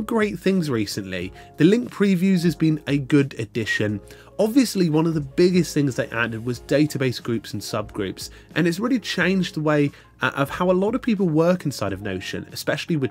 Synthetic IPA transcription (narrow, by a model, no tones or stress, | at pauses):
ɡɹeɪt̪̚θɪ̃ŋzɹiˑsə̃nʔlḭ | ðəlɪ̃ŋk̚pʰɹ̥ivjʉzɨzbĩnɨɡʊdɨdɪʃɨ̃n | ɒbviəsliwʌ̃nəvðəbɪɡɪsθɪ̃ŋzðeɪʔa̰dɨd̚wɒzdeɪtəbeɪsɡ̥ɹʉˑpsn̩sʌb̚ɡɹʉ̰ˑps | ʔə̃nɨtslɹɛlit͡ʃʰẽɪ̃nd͡ʒðəweɪ | ʔəv̥haʊəlɒɾəv̥pʰiˑp̬əl̩ˠwɜˑ˞kɪ̃nsaɪɾəvno̰ʊʃə̰̃nɨ̰spɛʃl̩ˠiwɨ